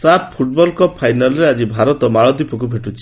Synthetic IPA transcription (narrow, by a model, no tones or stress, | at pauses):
sappʰuʈ̚bɔlkɔpʰajnalɔɾead͡ʒibʱaɾɔt̪ɔmaɭɔd̪ipɔkubʱeʈut͡ʃʰi